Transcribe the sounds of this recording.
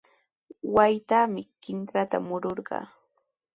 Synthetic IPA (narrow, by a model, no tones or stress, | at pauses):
wajt̪amɪkɪnt̪ɾat̪a̰mʊɾoɾɢɑ̰ː